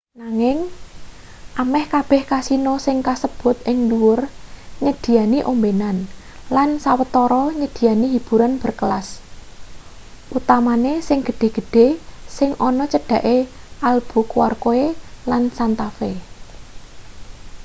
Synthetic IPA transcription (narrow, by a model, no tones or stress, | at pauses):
naŋɪŋ | ʔamɛhkab̥ɛ̤hkasinɔsɪŋkasəb̥ʊ̤t̪̚ʔɪŋluwʊrɲəd̪̥i̤janiʔombenan | lansawət̪ɔɾɔɲəd̪̥i̤janiɦib̥ṳɾanb̥ə̤rkəlas | ʔut̪amanesɪŋɡ̥ə̤ɖ̥e̤ɡ̥ə̤ɖ̥e̤sɪŋʔɔnɔt͡ʃəɖ̥ä̤ʔe | ʔalb̥ṳkuwa̰rkoelansant̪afe